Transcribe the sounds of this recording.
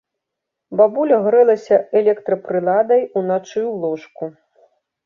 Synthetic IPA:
babulʲɐɣɾɛlˠɐsʲɐɛlʲɛkt̪ɾɐpɾɨlˠad̪ɐjunat͡ʂɨwlˠɔʂku

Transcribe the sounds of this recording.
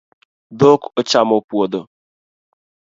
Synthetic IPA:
dokot͡ʃamopwodo

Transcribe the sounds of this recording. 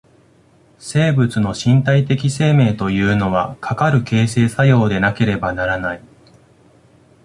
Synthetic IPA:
se̞ːbɯ̟t͡sɨno̞ɕĩnt̪ait̪e̞kʲise̞ːme̞ːt̪o̞jɯ̟ːno̞βakʰakaɾɯ̟ke̞ːse̞ːsajo̞ːd̪e̞nake̞ɾe̞banaɾanai

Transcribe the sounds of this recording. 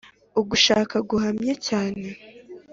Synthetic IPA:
uɡuʃaːkaɡuhamɲecaːne̞

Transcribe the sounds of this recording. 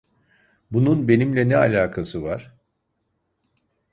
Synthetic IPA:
bununbe̞nimlʲɛnɛalʲaːkʰasɯvaɾ̥

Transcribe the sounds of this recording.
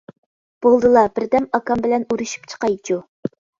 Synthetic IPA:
b̥olˠd̪ɨlˠɑbɪɾd̪ɛmɑkɑmbɪlɛnuɾuʃy̥p̚t͡ʃʰə̥qɑjt͡ʃʰu

